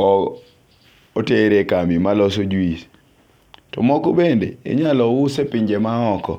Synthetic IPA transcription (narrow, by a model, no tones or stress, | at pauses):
ɔ | oteɾekamimalɔsod͡ʒwis | tɔ̰mɔkobendḛḛɲalɔwʊsepiɲd͡ʒemaɔkɔ̰